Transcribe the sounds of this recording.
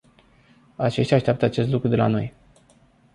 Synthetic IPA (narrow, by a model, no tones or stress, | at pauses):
at͡ʃe̞ʃt̪ʲaːʃt̪ʲap̚t̪əat͡ʃe̞s̬t̪lukɾud̪ela̰no̞̰j